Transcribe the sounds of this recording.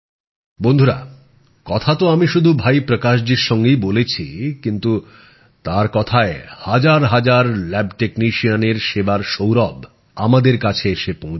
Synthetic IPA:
bond̪ʱuɾa̰ | kɔt̪ʰat̪oamiʃud̪ʱubʱajpɾokaʃ̬d͡ʑiɾʃɔŋɡejbolet͡ɕʰikint̪u | t̪aɾkɔt̪ʰaehad͡ʑaɾɦad͡ʑaɾlɛbʈekniʃianeɾʃebaɾʃowɾɔb | a̰mad̪eɾkat͡ɕʰeeʃepõɦ

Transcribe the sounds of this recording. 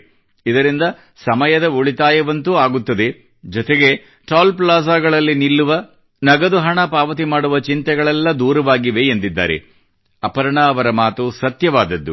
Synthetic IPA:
id̪ɐɾind̪ɐ | sɐmɐjɐd̪ɐoɭit̪aːjɐʋɐnt̪uaːɡut̪ːɐd̪e̞ | d͡ʒɔt̪eɡe̞ | ʈaːlplaːsaːɡɐɭɐlːinilːuʋɐ | nɐɡɐd̪uɦɐɳɐpaːʋɐt̪̬imaːɽuʋɐt͡ʃint̪ɛɡɐɭɛlːɐd̪uːɾɐʋaːɡiʋe̞ːnd̪id̪ːa̰ːɾḛ | ɐpɐɾɐɳɐːʋɐɾɐmaːt̪usɐt̪jɐʋaːd̪ɐd̪ːu

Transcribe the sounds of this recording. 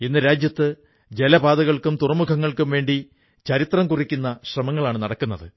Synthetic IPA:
inːɨɾaːd͡ʑjɐt̪ːɨ | d͡ʑe̞lɐbaːd̪ɐɣɐɭkumt̪urɐmukʰɐŋːɐɭkumʋe̞ːɳɖi | t͡ɕɐɾit̪rɐmkurikʲːunːɐɕrɐmɐŋːɐɭaːɳɨnɐɽɐkːunːɐðɨ

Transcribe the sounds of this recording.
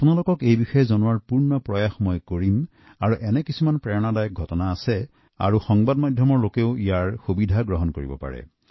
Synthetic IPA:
apʊnalokɔkejbixɔjɛzɔnuaɹpuɹnɔpɹɔjaxmɔjkoɹim | aɹuʔɛnɛkisumanpɹɛɔnadajɔk̚ɡʱɔtɔnaːsɛ | a̰ɹuxɔŋbadmadʱjɔmɔɹlokeʊijaɹxubidʱaɡɹɔɦɔnkoɹibɔ̰pa̰ɹɛ̰

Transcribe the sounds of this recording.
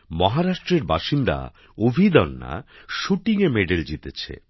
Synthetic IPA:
mɔɦaɾaʃʈɾeɾba̰ʃind̪a̰ | obʱid̪ɔnːa̰ʃuʈiŋemeɖeld͡ʑit̪et͡ɕʰḛ

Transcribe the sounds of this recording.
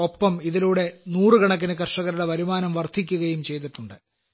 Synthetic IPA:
o̞pːɐmiðiluːɽe̞nuːrɨɡɐɳɐk̬ːinɨk̬ɐrʂɐɣɐɾuɽeʋɐɾumaːnɐmʋɐrt̪ʰik̬ʲːuɣɐjumt͡ɕe̞jt̪̬iʈːuɳɖɨ

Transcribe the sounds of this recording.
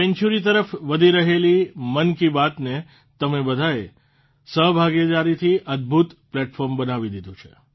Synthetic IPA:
pɛ̃ɲt͡ʃuɾit̪̬əɾəfʋəd̪ʱiɾəɦelimənkibat̪ne | t̪əmebəd̪ʱae | səɦbʱaɡed̪aɾit̪ʰiʔəd̪̚bʱut̪plɛʈfɔɾmbənaʋid̪id̪ʱũt͡ʃʰḛ

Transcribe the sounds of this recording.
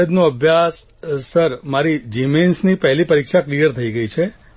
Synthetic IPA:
ed̪noəbʱjasː | əɾmaɾid͡ʒimensnipəɦlipəɾikʃaklijəɾt̪ʰəiɡəit͡ʃʰe

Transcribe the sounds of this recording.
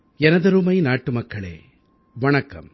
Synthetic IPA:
ɛnɐðɐɾuːmɐɪnaːʈːɯmɐkːɐɭḛː | ʋɐɳɐkːɐ̰m

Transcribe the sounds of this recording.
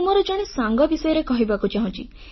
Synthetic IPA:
mɔɾɔd͡ʒɔɽ̃esaŋɡɔbisɔjɔɾekɔɦibakut͡ʃaɦɔ̃t͡ʃḭ

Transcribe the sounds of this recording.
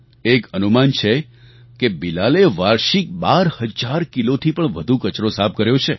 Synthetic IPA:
ekənumant͡ʃʰe | kebilaleʋaɾʃik̚baɾhəd͡ʒaɾkilot̪ʰipəɳʋəd̪ʱukət͡ʃɾosab̚kəɾjot͡ʃʰe

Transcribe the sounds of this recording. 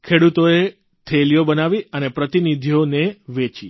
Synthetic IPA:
kʰeɽut̪oe | t̪ʰeljobənaʋiənepɾət̪inid̪ʱijoneʋet͡ʃḭ

